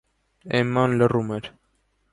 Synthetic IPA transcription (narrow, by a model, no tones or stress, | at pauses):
ɛmːɑnlərumɛɾ